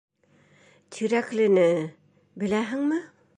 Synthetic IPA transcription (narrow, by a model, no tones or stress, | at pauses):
t̪ʰiɾæklɪnɪ | bɘ̆læɦɘŋmɪ